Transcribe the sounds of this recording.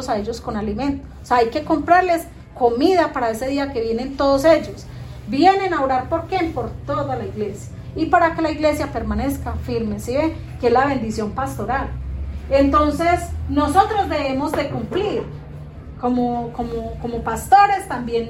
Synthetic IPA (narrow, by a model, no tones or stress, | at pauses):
osae̞ʝo̞sko̞nalimẽ̞nt̪oseajke̞ko̞mpɾaɾle̞s | ko̞mið̞apaɾae̞se̞ð̞iake̞βje̞ne̞nt̪o̞ðose̞d͡ʒo̞s | bje̞ne̞naoɾaɾpoɾkempo̞ɾt̪o̞ðalaiɣle̞sja | ipaɾake̞laiɣle̞sjape̞ɾmane̞skafiɾme̞sie | keezlaβe̞nd̪isjompast̪o̞ɾalent̪o̞nse̞sno̞so̞t̪ɾo̞zd̪e̞βemo̞zd̪e̞kumpliɾ | komokomokomo̞past̪o̞ɾe̞st̪ambje̞n